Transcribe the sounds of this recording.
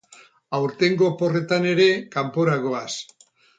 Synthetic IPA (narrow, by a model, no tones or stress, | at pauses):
awɾt̪e̞ŋɡo̞po̞re̞t̪ane̞ɾe̞kampo̞ɾaɣo̞as